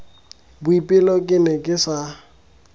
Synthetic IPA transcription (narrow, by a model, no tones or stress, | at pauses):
bʊipʼɪlɔkʼɪnɛkʼɪsa